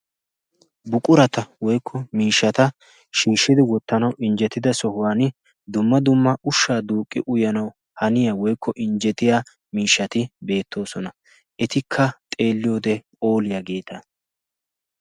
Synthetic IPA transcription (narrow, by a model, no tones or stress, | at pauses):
bʊkʼʊɾɐt̪ɐwɔjkʰːɔmiːʃːɐt̪ɐ | ʃiːʃːɪd̪ɪwɔt̪ːɐnɐwʔɪnd͡ʒɛt̪ːɪd̪ɐsɔhʊwaːnɪ | d̪ʊmːɐd̪ʊmːɐʔʊʃːaːd̪uːkʼːɪ̰ʔʊjɐnɐw | hɐnɪjawɔjkʰːɔʔɪnd͡ʒɛt̪ɪjaː | miːʃːɐt̪ɪbe̞ːt̪ːo̞ːsɔnɐ | ʔɛt̪ɪkʰːɐt̪ʼe̞ːlːɪjo̞ːd̪ɛpʼo̞ːlɪjɐɡe̞ːt̪ʰɐ